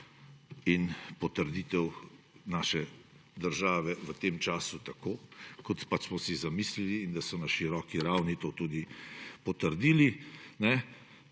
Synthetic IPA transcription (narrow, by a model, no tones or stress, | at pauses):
inpɔt̪əɾd̪it̪ɛw | naːʃɛ | d̪əɾʒaːʋɛʋət̪eːmt͡ʃaːsut̪akoːkɔt̪pat͡ʃsmɔsizamisliliːnd̪asɔnaʃiɾɔːkiɾawnit̪oːt̪uːd̪ipɔt̪əɾd̪iːlinɛ